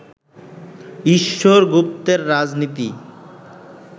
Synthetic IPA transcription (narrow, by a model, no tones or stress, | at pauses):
iʃːoɾɡup̚t̪eɾːad͡ʑnit̪i